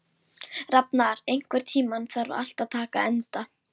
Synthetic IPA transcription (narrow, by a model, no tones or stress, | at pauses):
rapnaɾejŋ̥kvɛɾ̥t̪ʰiːmanθaɾʏ̰a̰l̥t̪aðt̪ʰaːka̰ɛnt̪a